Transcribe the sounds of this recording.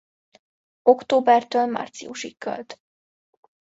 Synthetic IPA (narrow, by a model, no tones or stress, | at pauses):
okt̪oːbɛrt̪øːlma̰ːrt̪sḭuʃikːø̰lt̪